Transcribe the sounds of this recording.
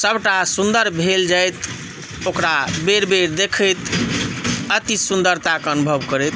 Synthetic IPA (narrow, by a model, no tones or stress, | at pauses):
səbʈasund̪əɾbʱeld͡ʒajt̪ | okɾabeɾbeɾd̪ekʰəjt̪ | ət̪isund̪əɾt̪akənubʱəbkəɾɛt̪